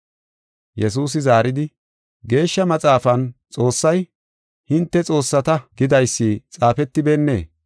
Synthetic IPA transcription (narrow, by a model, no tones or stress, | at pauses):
jɛsuːs̬ɪzaːɾɪd̪ɪ | ɡe̞ːʃːɐmɐt͡sʼaːfɐnt͡sʼo̞ːsːɐj | hɪnt̪ːɛt͡sʼo̞ːsːɐt̪ɐɡɪd̪ɐjsːit͡sʼaːfɛt̪ːɪbeːnːḛː